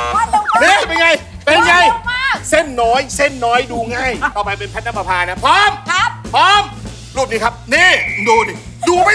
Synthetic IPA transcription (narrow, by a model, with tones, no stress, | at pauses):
niː˦˥˩pe˧nŋa˧j | pe˧nŋa˧jse˥˩nːɔː˦˥jse˥˩nːɔː˦˥jduː˧ŋa˥˩jt̪ɔː˧˩pa˧jpe˧npʰɛ˦˥a˦˥pa˧pʰaː˧na˦˥pʰɔ˦˥mpʰɔː˦˥m | ɾuː˥˩t̚niː˧˩kʰa˦˥p̚niː˧˥˩duː˧ni˧˩ | duː˧ma˥˩